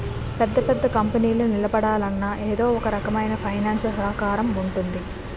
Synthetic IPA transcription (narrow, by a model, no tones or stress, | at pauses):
pɛd̪ːɐpɛd̪ːɐkɐmpɐniːlunilɐbɐɽaːlɐnːɐʔeːd̪o̞ːɔkɐɾɐkɐmɐjnɐpʰɐjnaːnsɐlsɐɦɐkaːɾɐmuɳʈund̪i